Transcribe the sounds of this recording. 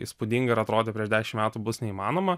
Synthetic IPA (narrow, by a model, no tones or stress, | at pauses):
ispud̪ʲiŋɡɐɪɾɐt̪ɾoːd̪ʲepʲɾʲiɛʃʒd̪ʲæːɛʃʲɪmʲæːt̪ubʊsnʲɛiːmɑːnoːmɐ